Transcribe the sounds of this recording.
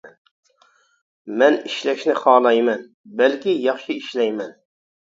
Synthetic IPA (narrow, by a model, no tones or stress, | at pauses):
mɛniʃlɛʃnɪχɑːlˠɑjmɛn | bælkʲijɑχʃɪiʃlɛjmɛn